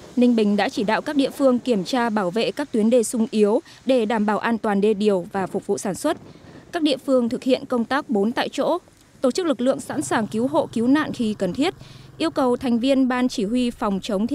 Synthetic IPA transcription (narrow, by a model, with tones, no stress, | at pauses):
nï˧ŋ̟ɓï˨˩ŋ̟ɗa̰ː˧˥t͡ɕi˧˩ɗa̰ː˧˨wkaː˦˥k̚ɗḭ˧əfɨ˧əŋki˧˩əmt͡ɕaː˧ɓaː˧˩wvḛ˧˨kaː˦˥k̚t̪wi˨˦ənɗe˧˩sʊ˧ŋ͡mʔi˨˦əw | ɗe˧˩ɗaː˧˩mɓaː˧˩wʔaː˧nt̪waː˨˩nɗe˧ɗi˨˩əwvaː˨˩fʊ˨˩vṵ˧˨saː˧˩nswə˦˥t̚kaː˦˥k̚ɗḭ˧˨əfɨ˧əŋt̪ʰɨ˨˩k̚hḭ˧˨ənkə˧wŋ͡mt̪aː˦˥k̚ɓo˨˦nt̪a̰ː˧˨jt͡ɕo̰˧˥ | t̪o˧˩t͡ɕɨ˦˥k̚lɨ˨˩k̚lɨ̰˧˨əŋsa̰˧˥nsaː˨˩ŋki˨˦wɦo̰˧˨ki˨˦wna̰ː˧˨nxi˧kə˨˩nt̪ʰi˦˥ət̚ʔi˧əwkə˨˩wt̪ʰa˨˩jŋ̟vi˧ənɓaː˧nt͡ɕi˧˩hwi˧fɔ˨˩wŋ͡mt͡ɕə˨˦wŋ͡mt̪ʰ